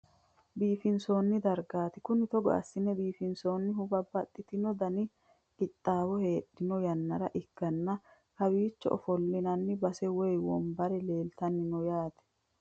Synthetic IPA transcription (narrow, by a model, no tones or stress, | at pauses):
biːfɪnso̞ːnːɪd̪ɐɾɡaːt̪ɪkʊnɪt̪ɔɡɔ̰ɐ̰sːɪnːɛbiːfɪnso̞ːnːɪɦʊbɐbːɐt̪ʼːɪt̪ɪnɔd̪ɐnɪ | kɪt̪ʼːaːwɔhe̞ːɗːɪnɔjɐnːɐɾɐʔɪɡːɐnːɐ | hɐbiːt͡ʃːɔ̰ʔɔ̰fɔlːɪnɐnːɪbɐsɛwɔjwɔ̰mbɐɾɛle̞ːlt̪ɐnːɪnɔjaːt̪ɛ̥